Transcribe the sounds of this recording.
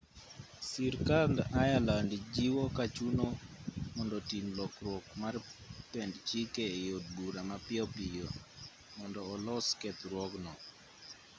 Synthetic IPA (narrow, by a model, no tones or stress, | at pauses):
siɾkandajalandd͡ʒiwɔkat͡ʃunomɔndɔtinlɔkɾwɔkmarpɛndt͡ʃikeejod̚ɡuɾamapɪɔpijo | mɔndɔːlɔskɛt̪ɾwɔɡnɔ